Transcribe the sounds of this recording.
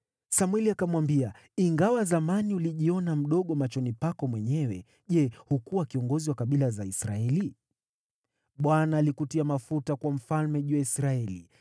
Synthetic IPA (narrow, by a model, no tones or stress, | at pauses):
samwɛliakamwambia | iŋɡawazamaniuliʄiɔnam̩ɗɔɠɔmat͡ʃɔnipakɔmwɛɲɛwɛ | ʄɛhukuwakiɔŋɡɔziwakaɓilazaisɾa̰ɛli | ɓwanaːlikutiamafutakwam̩falmɛʄuaisɾaɛli